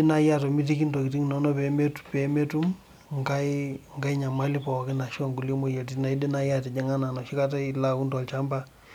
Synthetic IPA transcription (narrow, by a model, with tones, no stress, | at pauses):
ɪ˦na˦ja˦˨tɔ˨mi˦ti˦ki˦ntɔ˨ki˨ti˦ŋnɔ˦nɔ˦pɛ˨me˦tpɛ˨me˦tu˦m | ŋka˦ɪ˦ŋɡa˦i˦ɲa˨ma˦li˦pɔ˨kɪ˦na˨ʃɔ˦ŋɡu˨lje˦mo˦je˨t̬i˦tna˨i˦di˦na˦ja˦tɛ˨d͡ʒɛ˦ŋa˦na˨nɔ˨ʃi˦ka˦t̬a˦i˦la˨ku˦ntɔ˨lt͡ʃa˦mba˦